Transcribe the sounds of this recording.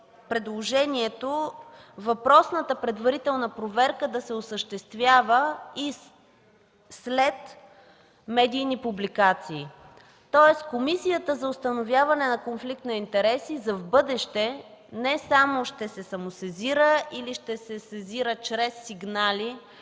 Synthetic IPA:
pɾɛd̪lˠoʒɛniɛt̪o | vɐpɾɔsnət̪əpɾɛd̪vɐɾit̪ɛlˠnəpɾovɛɾkəd̪ɐsɛosəʃt̪ɛst̪vʲjavəi | slɛt̪ | mɛd̪ijnipublikat̪siː | t̪ɔɛskomisijət̪əzɐʊst̪ɐnovʲjavɐnɛnɐkonflik̚t̪nɐint̪ɛɾɛsizɐvbɤd̪ɛʃt̪ɛ | nɛsamoʃt̪ɛsɛsɐmosɛziɾəiliʃt̪ɛsɛsɛziɾət͡ʃɾɛsːiɡnali

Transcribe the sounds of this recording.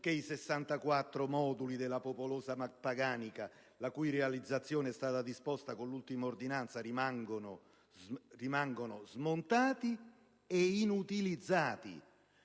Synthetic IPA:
keisesːant̪akwat̪ːɾomɔːd̪ulid̪elːapopoloːsapaɡaːnika | lakujrealid̪zːat̪sːjoːneɛst̪aːt̪ad̪ispɔst̪akolːult̪imaord̪inant̪sarimaŋɡono | rimaŋɡonozmont̪aːt̪i | einut̪ilid̪zːaːt̪ḭ

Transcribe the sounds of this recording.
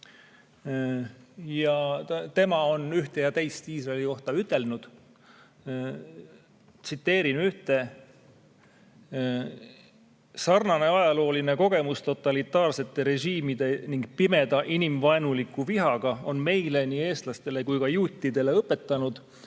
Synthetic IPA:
jɑt̪e̞mɑo̞nyht̪e̞jɑt̪e̞jst̪iːsrɑeliko̞ht̪ɑyt̪ːˑe̞lnud̪̥ | t̪sit̪ːe̞ːɾinyht̪e̞ | sɑrnɑne̞ɑjɑlo̞ːline̞ko̞ɡe̞must̪o̞t̪ːˑɑlit̪ːˑɑːrse̞t̪ːe̞ɾe̞ʒiːmid̪̥e̞niŋɡ̥pime̞d̪̥ɑʔinimvɑenulikːˑuviɦɑɡ̥ɑo̞nme̞jle̞niːe̞ːst̪lɑst̪e̞le̞kujkɑjuːt̪ʲːid̪e̞le̞ɤpːe̞t̪ːˑɑnud̪̥

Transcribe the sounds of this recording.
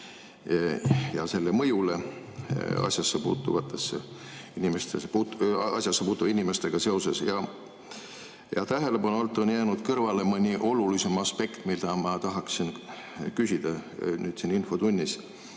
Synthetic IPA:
jɑse̞lːemɤjule̞ | ɑ̰sʲjɑsːepṵːt̪ːˑuvɑt̪ːˑesːe | inʲimest̪espuːt̪ɑ̰sʲjɑsːepuːt̪ːuvinʲime̞st̪e̞ɡ̥ɑse̞o̞sesjɑ | jɑ̰t̪æɦe̞le̞pɑnuolt̪ːˑonjæːnud̪̥kɤrvɑle̞mɤnʲiʔo̞lulise̞mɑspe̞kt̪mild̪ɑmɑt̪ɑɦɑksinkysʲid̪̥ɑnyːd̪̥sininfo̞t̪unʲːis

